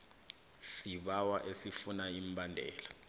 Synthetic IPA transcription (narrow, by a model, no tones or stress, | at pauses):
siɓawaʔesifunaimbʱandʱɛːla